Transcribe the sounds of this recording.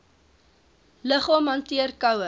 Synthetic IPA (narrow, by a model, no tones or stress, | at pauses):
ləχɑːmɐntiərkɐwə